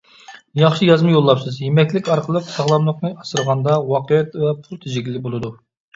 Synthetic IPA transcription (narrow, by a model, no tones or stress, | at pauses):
jɑχʃijɑzmɨjolˠːɑpsɨzjemɛkʲlɪkʲɑɾqʰəlˠəqsɑʁlˠɑmlˠəqnɨʔɑsɨɾʁɑnd̪ɑwɑqəjɛt̪vɛpʰulˠt̪ʰed͡ʒɪɡʲilːɪbolˠɨd̪u